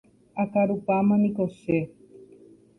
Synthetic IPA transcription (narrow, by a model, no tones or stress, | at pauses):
akaɾupamãnikose